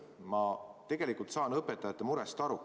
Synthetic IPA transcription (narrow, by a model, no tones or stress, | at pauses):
mɑt̪e̞ɡ̥e̞likult̪sɑːnɤpːet̪ːˑɑjɑt̪ːˑemuɾɛst̪ɑɾu